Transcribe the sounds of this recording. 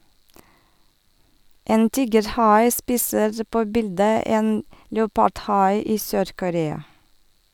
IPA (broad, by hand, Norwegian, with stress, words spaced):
ˈeːn ˈtiːɡəɾˌhɑɪ ˈspiːsəɾ ˈpoː ˈbɪldə ˈeːn ləʊˈpɑɖˌhɑɪ ˈiː ˈsøːɾkʊˌɾeːɑ